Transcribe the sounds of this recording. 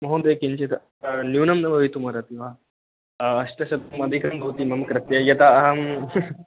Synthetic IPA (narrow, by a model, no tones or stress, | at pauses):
mɐɦõd̪ekint͡ʃit̪ | njuːnɐmnɐʋɐʋit̪umaɾat̪iʋa | ɐʂʈɐɕɐt̪umɐd̪ʱikɐnd̪ʱot̪imɐmkɾɐt̪jɐjɐt̪aɐɦɐm